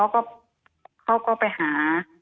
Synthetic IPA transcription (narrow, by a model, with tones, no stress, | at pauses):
ɔ˧˥˩wkɔː˥˩ | kʰa˧˥˩wkɔː˥˩pa˨jhaː˩˦